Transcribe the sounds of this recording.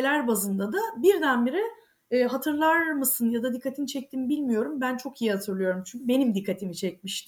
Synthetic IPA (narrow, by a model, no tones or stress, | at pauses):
elʲæɾbazɯnd̪ad̪abiɾd̪ænbiɾɛː | ɦat̪ʰɯɾlˠaɾmɯsɯnjad̪ad̪ikʰːat̪ʰint͡ʃʰɛc̚t̪ʰimbilʲmijo̞ɾumbænt͡ʃʰo̞kʰijihat̪ʰɯɾlˠɯjo̞ɾumt͡ʃʰyɲcʰʲybe̞nimd̪ikʰːat̪ʰimit͡ʃʰɛcmiʃt̪ʰɪ